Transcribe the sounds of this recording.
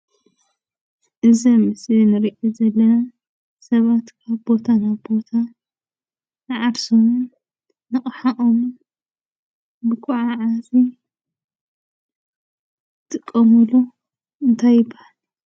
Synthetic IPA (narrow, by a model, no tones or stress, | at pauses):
ʔɨzɐmɨsinɨɾiʔizɐlːɐna | sɐβat̪kʰaβbo̞t̪ʰanaβbo̞t̪ʰa | nɨʕaɾsomun | nɨχʼħaʔʼom | bɨkʰuʕaʕazi | t̪ʰʼɨkʼːɐmulu | ɨnt̪ʰajːɪbahal